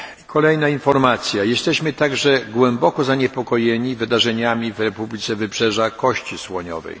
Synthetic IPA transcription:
kʰɔlɛjnainfɔɾmat̪sʲjajɛst̪ɛɕmɘt̪aɡʐɛɡwɛmbɔkɔzaɲɛpɔkɔjɛɲivɘd̪aʐɛɲamʲivɾɛpublʲit̪sɛvɘpʂɛʐakɔɕt͡ɕiswɔɲɔ̰vɛ̰j

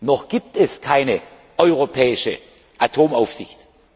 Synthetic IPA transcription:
nɔχɡ̥iːp̚tɛskʰaɪnə | ʔɔʏʁopʰɛːɪʃə̰ | ʔatʰoːmaʊfz̥ɪçt

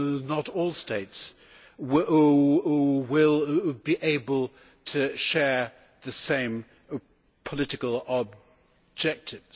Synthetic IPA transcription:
nəɾɔlˠsteɪts | w | wɪlˠbiʔeɪbəlˠ | tʰɨʃɛɹ | ðɨsẽɪ̃m | pʰəlɪɾɨkəlˠəb̚ | d͡ʒɛk̚tʰɪvz̥

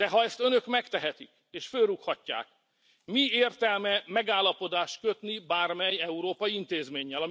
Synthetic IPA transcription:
d̪ɛɦɒɛst̪ø̞nø̞kmɛkt̪ɛɦɛt̪ḭk | eːʃfølrːukhɒcːa̰ːk | mieːrt̪ɛlmɛmɛɡaːlːɒpo̞d̪aːʃt̪̚kø̞t̪nibaːrmɛjɛuɾoːpɒjiint̪eːzmeːɲːɛlɒ

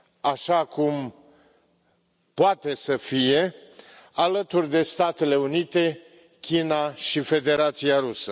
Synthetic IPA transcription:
aʃakum | poat̪e̞səfije̞ | alət̪urʲd̪e̞st̪at̪e̞le̞unit̪e̞ | kʲinaʃife̞d̪e̞ɾat̪siaɾusə

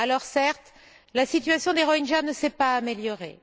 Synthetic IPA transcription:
alɔʁsɛʁt̪ | lasit̪ɥasjɔ̃d̪eʁɔinʒanəsɛpaːmeljɔʁḛ

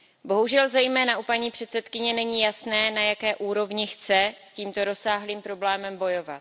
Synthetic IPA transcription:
bo̞ɦuʒɛlzɛjmɛːnaʔupaɲiːpr̝̥ɛt̪sɛt̪kɪɲɛnɛɲiːjasnɛːnajakɛːʔuːɾo̞vɲɪxt͡sɛsciːmt̪o̞ɾo̞saːɦliːmpɾo̞blɛːmɛmbo̞jo̞va̰t̪

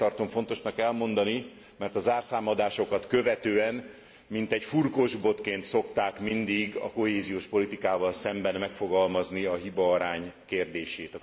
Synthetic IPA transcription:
ɒrt̪o̞ɱfo̞nt̪o̞ʃnɒkɛlmo̞nd̪ɒni | mɛrt̪ɒzaːrsaːmɒd̪aːʃo̞kɒt̪kø̞vɛt̪øːɛn | mint̪ɛɟfurkoʒbo̞t̪keːnt̪so̞kt̪aːkmind̪iɡɒ̰ko̞ɦeːzijoːʃpo̞lit̪ikaːvɒlsɛmbɛnmɛkfo̞ɡɒlmɒzniɒɦibɒːɾaːɲkeːrd̪eːʃeːt̪ɒ

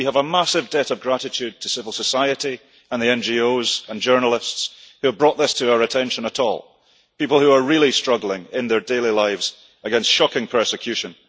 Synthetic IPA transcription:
wiəvəmasɪvdɛʔəvɡɹaʔɪt͡ʃʰʉd̚tʰəsɪvəl̩ˠsəsaɪəʔi | ə̃nðiɛ̃nd͡ʒiozə̃nd͡ʒɜ˞nəl̩ˠɪstshʉəvbɹɔʔðɪstʰəaʊə˞ɨtʰɛ̃nʃə̃nəʔɔ̰lˠ | pipəl̩ˠhʉə˞ɹilˠistɹ̥ʌɡl̩ˠɪ̃ŋɪ̃nðə˞delˠilˠaɪvz̥ | əɡɛ̃nstʃɔkɪ̃ŋpʰɜ˞sɪkʰj̥ʉʃə̃n

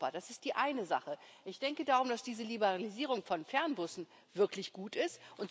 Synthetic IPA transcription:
ad̥asɪstd̥iːʔaɪnəza̰χəʔɪçd̥ɛŋkədaːʁ̞ʊmd̥asd̥iːzəlibəʁaliziːʁ̞ʊŋfɔnfɛɐnbʊsn̩ | v̥ɪɐklɪçɡ̥uːtɪstʔʊnt

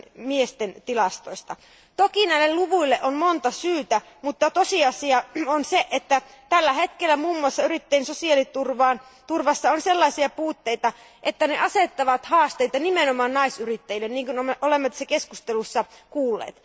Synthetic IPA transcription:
miest̪ent̪ilɑst̪o̰ist̪ɑ | t̪okinæilːelluʋuilːeʔonmont̪ɑsyːt̪æ | mut̪ːɑt̪osiɑsiɑonseʔet̪ːæ | t̪ælːæhet̪kelːæmuːmːuɑsːɑyrit̪ːeinsosiɑlit̪urʋɑːnt̪urʋɑsːɑonselːɑisiɑpuːt̪ːeit̪ɑ | ʔet̪ːænḛʔɑset̪ːɑʋɑt̪hɑːst̪eit̪ɑnimenomɑːnnɑisyrit̪ːæjilːenniːŋkunomʔolemːɑt̪sekeskust̪elusːɑkuːlːḛːt̪

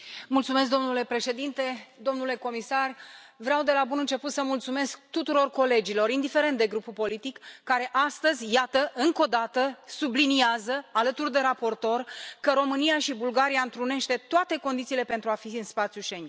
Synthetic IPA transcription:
mult̪sumesk̚d̪o̞mnule̞pɾe̞ʃe̞d̪int̪e̞d̪o̞mnule̞ko̞misarvɾeawd̪e̞labunɨnt͡ʃe̞put̪səmult̪sume̞sk̚t̪ut̪uɾo̞rko̞le̞d͡ʒilo̞ɾind̪ife̞ɾe̞nt̪d̪e̞ɡɾupupo̞lit̪ikːaɾe̞ʔast̪əzʲjat̪əʔɨŋko̞d̪at̪əsubliniazəalət̪urd̪e̞ɾapo̞rt̪o̞rkəɾo̞mɨnijaʃibulɡaɾiaɨnt̪ɾune̞ʃt̪e̞t̪oat̪e̞ko̞nd̪it̪siːle̞pe̞nt̪ɾuafiɨnspat̪sʲjuʃen

